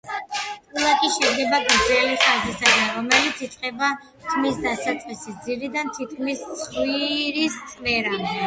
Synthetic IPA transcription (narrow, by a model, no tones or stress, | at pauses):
t̪ʼulˠakʼiʃɛdɡɛbaɡaɾɛliχazisad̪anɾɔmɛlit̪sʰit̪sʼqʼɛba | t̪ʰmisd̪asat̪sʼqʼisisd̪ziɾid̪ant̪ʰit̪̚kʰmist̪sʰʼχwiɾist̪sʼmɛɾa